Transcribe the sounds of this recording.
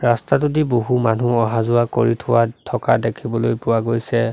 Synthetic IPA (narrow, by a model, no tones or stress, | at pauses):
ɹastatudiboɦumanuɔɦazʊako̰ɹitʰʊwatʰɔkadekʰibɔlojpʊwaɡojsɛ